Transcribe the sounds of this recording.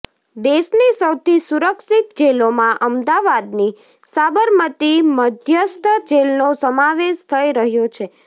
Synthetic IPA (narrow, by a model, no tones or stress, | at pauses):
d̪eʃnisəwt̪ʰisuɾəksit̪d͡ʒelomãʔəmd̪aʋad̪ni | sabəɾmət̪iməd̪ʱjəst̪ʰəd͡ʒelnosəmaʋeʃt̪ʰəiɾəɦjot͡ʃʰe